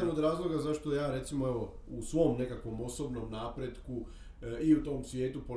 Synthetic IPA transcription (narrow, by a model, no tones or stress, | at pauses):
ano̞d̪ɾaːzlˠo̞ɡazaʃt̪ojaːɾe̞t̪simo̞eʋo̞ | usʋo̞mne̞kakʋo̞mo̞so̞bno̞mnaːpɾe̞d̪ku | iut̪o̞ːmsʋje̞ːt̪upo